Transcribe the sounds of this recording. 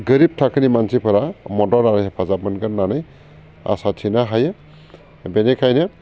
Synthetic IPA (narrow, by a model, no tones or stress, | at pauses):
ɡəɾib̚tʰakʰɯnimansipʰɐɾamɔdɔɾaɾɯɦepʰazabɯnɡɯnːanɯj | a̰satʰinaɦajɯ | benekʰajnɯ